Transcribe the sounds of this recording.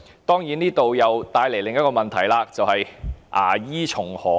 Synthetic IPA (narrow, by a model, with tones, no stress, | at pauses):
t̪ɔː˥ŋjiː˨˥niː˥t̪o˨wjɐ˨wt̪aː˧jle˨˩jlɪ˨ŋjɐ˥t̚kɔː˧mɐ˨nt̪ʰɐ˨˩jlaː˧t͡sɐ˨whɐ˨jʔa̰ː˨˩jiː˥t͡ʃʰʊ˨˩ŋhɔː˨˥